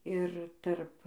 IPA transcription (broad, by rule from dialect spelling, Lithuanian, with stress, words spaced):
ɪr tɐrp